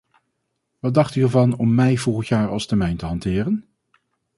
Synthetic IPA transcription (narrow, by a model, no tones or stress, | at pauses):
ʋɑt̚dɑχtyɛɹvɑnɔmːɛjvɔlˠχəntjaːɹɑlˠstɛɹmɛjntəɦɑntɪːrən